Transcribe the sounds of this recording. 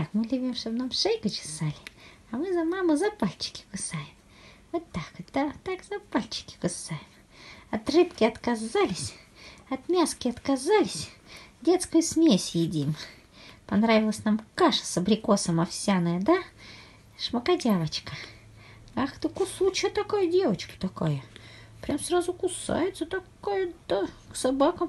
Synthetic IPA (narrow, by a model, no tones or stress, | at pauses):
akmɨlʲʊbʲimʂt̪obnamʂejɡət͡ɕɪ̥salʲɪ | ɐmɨzɐmamɨzɐpalʲt͡ɕɪ̥kʲɪ̥kʊsajɪm | vot̪ːakd̪̥at̪akzɐpalʲt͡ɕɪ̥kʲɪ̥kʊsajɪm | ɐt̪rɨpkʲɪɐt̪kɐzalʲɪsʲ | ɐt̪mʲaskʲɪɐt̪kɐzalʲɪsʲdʲet̪skəjʊsmʲesʲjɪdʲim | pɐnɾavʲɪlˠəsʲnamkaʂə̥səbɾʲɪkosəmɐfsʲanəjəd̪a | ʂməkɐdʲavət͡ɕkə̥ | axt̪əkʊsut͡ɕkət̪ɐkajədʲe̞vət͡ɕkə̥t̪ɐkajə | pɾʲamsrazʊkʊsa̰jɪt̪sət̪ɐkajəd̪a | ksɐbakəm